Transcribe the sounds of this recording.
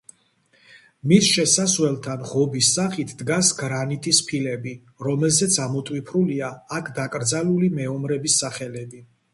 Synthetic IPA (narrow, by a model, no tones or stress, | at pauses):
misʃɛsaswɛlˠt̪ʰanʁɔbisːaχit̪ʰd̪ɡasɡɾanit̪ʼispʰilɛbi | ɾɔmɛlzɛt̪sʰamɔt̪ʼwipʰɾuliaːkʰd̪akʼɾd̪zalulimɛɔmɾɛbisːaχɛlɛbi